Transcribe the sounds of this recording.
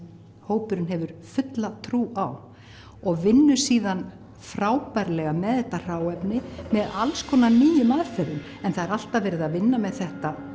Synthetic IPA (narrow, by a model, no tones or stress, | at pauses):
hoːwpʏɾʏnɦɛvʏɾ̥fʏt̪lat̪ʰɾuːʔaw | ɔɣvɪnːʏ̥siːðan | fɾaːwpajɾlɛɣamɛðθɛht̪ːar̥aːwɛpnɪmɛðalskʰɔːnaniːjʏmaðfɛɾðʏm | ɛnθaðɛɾal̥t̪avɛːɾɪðavɪnːamɛðθɛht̪a